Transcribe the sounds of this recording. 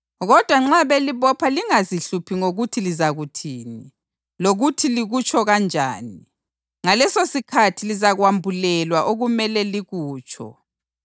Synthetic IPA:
ɣɔd̥ʱwaŋ͡ǁaβeliβɔpʰaliŋaziɬupʰiŋoɣutʰilizaɣutʰiːni | loɣutʰiliɣut͡ʃʼʰɔɣand͡ʒʱa̰ːni | ŋalɛsosikʰatʰilizaɣwambʱulɛlwaʔoɣumɛlɛliɣuːt͡ʃʰɔ̰

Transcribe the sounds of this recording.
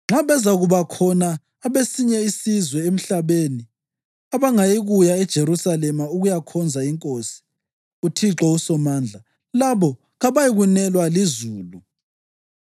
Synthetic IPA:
ŋ͡ǁʱaβɛzaɣuβakʰɔnaː | βesiɲɛisizwɛem̩ɬaβeni | aβaŋajiɣujaɛd̥ʒ̥ʱeɾusalɛmauɣujakʰɔnd͡zʱaiŋkʼosi̥ | utʰiǁɔusɔmaːnd͡ɮʱa | laβɔ | ɣaβajiɣunɛlwalizuːlu

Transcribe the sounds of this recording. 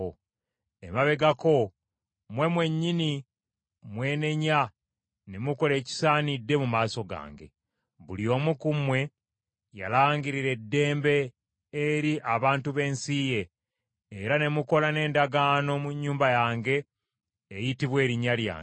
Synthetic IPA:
o | ḛmaβe̞ɡako̞ | mwe̞mwe̞ɲːini | mwe̞ːne̞ɲa | nemuko̞le̞ːci̥saːnidːe̞mumaːso̞ɡa̰ːŋɡḛ | βulio̞ːmukumwe̞ | ja̰laːŋɡiɾiɾe̞dːe̞ːmbe̞ː | ɾiʔaβaːntuβe̞ːnsije̞ː | ɾane̞muko̞lane̞ːndaɡaːno̞muɲːuːmbajaːŋɡe̞ː | jitiβwe̞ːɾiɲalja̰ːŋ

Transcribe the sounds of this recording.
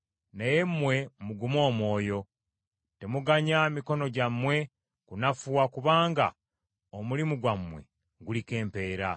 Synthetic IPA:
neje̞mːwe̞muɡumo̞ːmwo̞ːjo̞ | te̞muɡaɲamiko̞no̞ɟamːwe̞ | kunafuwakuβaːŋɡa̰ | omulimuɡwamːwe̞̰ | ɡulike̞ːmpe̞ːɾa

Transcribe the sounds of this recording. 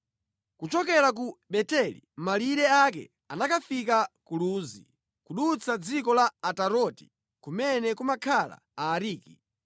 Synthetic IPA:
kut͡ʃɔkɛɾak̬uɓɛtɛlḭmaliɾɛakɛ̰ | anakafikakuluːzi | kuɗut͡sʰad͡zikɔlaːtaɾɔti̥̰ | kumɛnɛkumakʰala̰aːɾiːki

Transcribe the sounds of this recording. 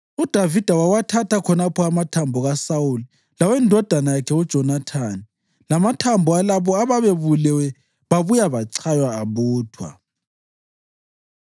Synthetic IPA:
ud̥ʱavid̥ʱawawatʰatʰakʰɔnapʰɔamatʰambʱɔɣasauli | lawɛndʱɔd̥ʱanajakʰɛud̥ʒ̥ʱɔnatʰani | lamatʰambʱɔalaβɔaβaβeβulɛwɛ | βaβujaβaǀʰajwaːβuːtʰwa̰

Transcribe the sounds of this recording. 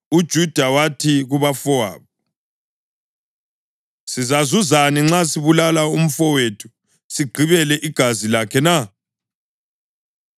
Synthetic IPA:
ud̥ʒ̥ʱud̥ʱawatʰiɣuβafɔa̰ːβu | sizazuzaniŋ͡ǁasiβulalaum̩fɔwetʰu̥ | siɡ͡ǀʱiβɛlɛʔiɡ̥ʱazilakʰɛna

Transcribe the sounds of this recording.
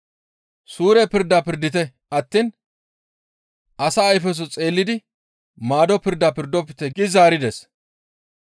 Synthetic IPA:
suːɾɛpɪɾd̪apɪɾd̪ɪt̪ɛ | ɐt̪ːiːn | ɐsɐːjfɛs̬ɔt͡sʼe̞ːlːɪd̪ɪ | maːd̪ɔpɪɾd̪apɪɾd̪ɔpːɪt̪ɛɡɪzaːɾɪd̪ɛs

